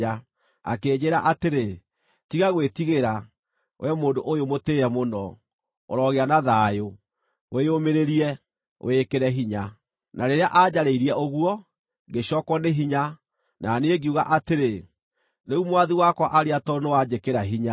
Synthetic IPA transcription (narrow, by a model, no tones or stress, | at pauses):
a | a̰keːd͡ʑeɾaʔateɾe | tiɣaɣwetiɣeɾa | wʔɛmoːndoʔojomoteːɛmonɔ | o̰ɾɔɣeanaðaːjo | wʔeomeɾeɾiɛ | o̰ekeɾɛɦiɲa | nʔaɾeɾeaʔad͡ʑaɾeiɾiɛoɣuɔ | ɡeɕɔkwɔneɦiɲa | nʔaneeɡiuɣa̰ʔateɾe | neumwaðiwakwaʔaɾeatɔnowad͡ʑekeɾaɦiɲa